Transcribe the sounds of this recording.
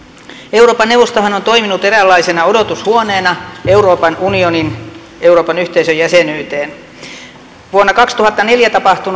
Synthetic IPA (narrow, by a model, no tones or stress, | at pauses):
euwroːpɑnːeuʋost̪ohɑnont̪o̞iminut̪eɾælːɑisenɑodot̪ushuoneːnɑeuɾoːpɑnunionin | euroːpɑnyht̪eisøjæsenyːt̪eːn | ʋuonːɑkɑkst̪uhɑt̪ːɑneljæt̪ɑpɑht̪un